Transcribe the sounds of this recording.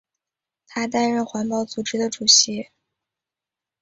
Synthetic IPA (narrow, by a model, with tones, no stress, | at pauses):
t̪ʰa˥t̪a˥˧nɻə˥˩nxwa˧˥npɑ˥˩ʊt͡su˨˩ʈ͡ʂɻ̩˥d̪ə˨ʈ͡ʂu˨˩ɕi˧˥